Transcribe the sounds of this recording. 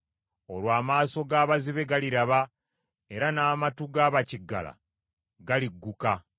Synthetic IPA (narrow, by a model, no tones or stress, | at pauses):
o̞̰lwaːmaːso̞ɡaːβaziβe̞ɡaliɾaβa | e̞ɾanaːmatuɡaːβaciɡːa̰la̰ | ɡaliɡːuka